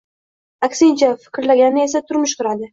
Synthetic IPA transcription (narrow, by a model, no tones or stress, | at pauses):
akʲsɪnt͡ʃʰafɪ̥kʲɾlaɡʲanɪe̞sat̪ʰʊɾmʊʃqʊɾad̪ɪ